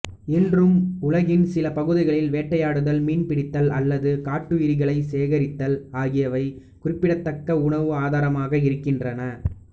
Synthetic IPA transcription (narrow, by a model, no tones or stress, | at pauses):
ɪndrɯmʊlɐɣɪnsɪlɐpɐɣɯðɪɣɐɭɪlʋeːʈːɐjaːɽɯðɐlmiːnpɪɽɪt̪ːɐlɐlːɐðɯkaːʈːɯʋɪɾɪɣɐɭɐɪseːɣɐɾɪt̪ːɐlaːɣɪjɐʋɐɪ | kʊrɪpːɪɽɐt̪ːɐkːɐʊɳɐʋɯaːðaːɾɐmaːɣɐɪɾɯkːɪndrɐnɐ